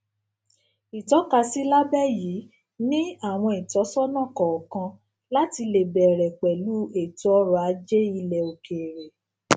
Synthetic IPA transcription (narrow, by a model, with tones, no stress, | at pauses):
i˨tɔ˨˦ka˧si˦la˦bɛ˦ji˨˦ | nĩ˦a˦˨w̃ɔ̃˧i˨tɔ˨˦sɔ˦nã˦˨kɔ˨ɔ˨kã˧ | la˦ti˧le˨bɛ˨ɾɛ˨k͡pɛ˨lu˦e˦˨tɔ˨˦ɔ˦ɾa˨˦d͡ʒe˦i˧lɛ˨o˨ke˨ɾɛ˨